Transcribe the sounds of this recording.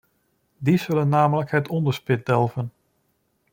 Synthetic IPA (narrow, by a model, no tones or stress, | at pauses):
dizɵlənːaːmələkɦətʰɔndəɹspɪt̚dɛlˠvən